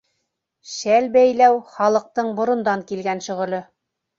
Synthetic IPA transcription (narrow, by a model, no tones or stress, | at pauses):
ʃælbæjlæwχɑlˠɤ̆q̚t̪ɤɴbŏɾŏnd̪ɑŋkilɡænʃɵ̆ʁɤ̆lɤ